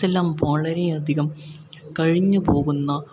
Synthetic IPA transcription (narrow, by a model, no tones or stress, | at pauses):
ɐlːaːmʋaːɭɐɾejɐd̪ʱiɣɐm | kɐɻiɲːupo̞ːɣunːɐ